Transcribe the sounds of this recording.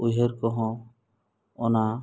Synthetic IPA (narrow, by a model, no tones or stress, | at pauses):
ujɦeɾkɔɦɔ̃ | ɔna